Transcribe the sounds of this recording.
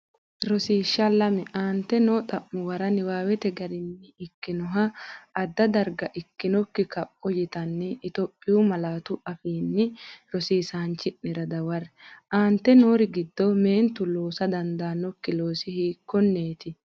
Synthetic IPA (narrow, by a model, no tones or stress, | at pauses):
ɾɔsiːʃːɐlɐmɛʔaːnt̪ːɛnoːt̪ʼɐʔːʊwɐɾɐnɪwaːwɛt̪ɛɡɐɾɪnːɪɪkːɪnɔɦɐːd̪ːɐd̪ɐɾɡɐʔɪkːɪnɔkːɪkɐpʼːɔjɪt̪ɐnːɪːt̪opʼːɪjumɐlaːt̪ʊɐfiːnːɪɾɔsiːsaːnt͡ʃːɪʔːɪɾɐd̪ɐwɐrʔaːnt̪ːɛnoːɾɪɡɪd̪ːɔme̞ːnt̪ʊlo̞ːsɐd̪ɐnd̪aːnɔkːɪlo̞ːsɪhiːkːɔnːeːt̪ɪ